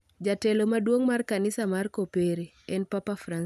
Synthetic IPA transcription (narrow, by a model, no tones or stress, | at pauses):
d͡ʒatɛlomadwoŋmarkanɪsamarkopeɾe | ɛnpapafran